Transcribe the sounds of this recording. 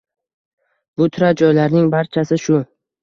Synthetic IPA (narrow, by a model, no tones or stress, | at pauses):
bʊt̪ʰʊɾad͡ʒɒjlaɾnɪŋbaɾt͡ʃʰasɪʃʊ